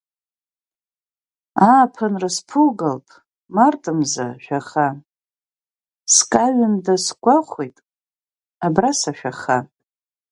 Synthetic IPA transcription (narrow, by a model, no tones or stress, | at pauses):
aːpʰanraspʰulɡalpʼ | martʼɨmza̰ʃᶣaχa | skʼaɥɪmdasɡʷaχʷejtʼ | abrasaʃᶣaχa